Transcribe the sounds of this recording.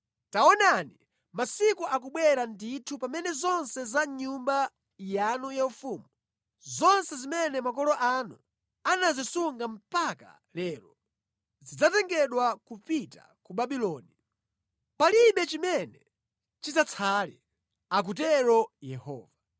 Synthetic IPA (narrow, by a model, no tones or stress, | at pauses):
taɔnani | masikuʔakuɓwɛɾanditʰupamɛnɛzɔnsɛzaɲumba | janujaufuːmu | zɔnsɛzimɛnɛmakɔlɔʔanu | anazisuŋɡam̩paka̰ | lɛːɾɔ | zid͡zatɛŋɡɛɗwakupita̰ | kuɓaɓilɔːni | paliɓɛt͡ʃimɛnɛ | t͡ʃizat͡sʰali | ak̬ut̬ɛɾɔjɛhɔ̰ːva